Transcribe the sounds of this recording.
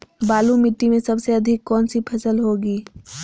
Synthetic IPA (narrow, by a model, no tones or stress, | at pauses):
baːlumɪʈːimẽsɐbseɐd̪ʱɪkːɔːnsipʰɐsəlɦoːɡiː